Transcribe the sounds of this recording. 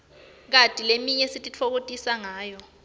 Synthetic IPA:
k̬atʼilemiɲɛsitʼit͡fʰok̬otʼisaŋaːjɔ

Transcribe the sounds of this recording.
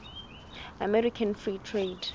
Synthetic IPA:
amɛɹikʰãnfɹiːtʰɹed

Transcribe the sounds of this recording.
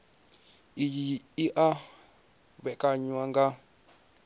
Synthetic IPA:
ijiiʔa | βɛkʼaɲwaŋɡa

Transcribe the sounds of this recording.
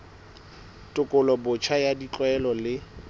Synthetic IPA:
tʼʊkʼʊlɔbʊt͡ʃʰajadit͡ɬʼwɛlɔlɪ

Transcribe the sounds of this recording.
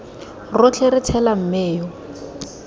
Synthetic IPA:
rʊt͡ɬʰeɾɪt͡sʰɛlam̩meːjɔ

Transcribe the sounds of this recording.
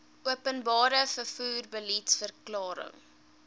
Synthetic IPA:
uəpənbɑːɾəfəfuːrbəlitsfərklɑːɾə̰ŋ

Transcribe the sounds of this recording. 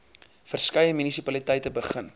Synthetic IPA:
fərskɐjəmynisipɐlitɛjtəbəχən

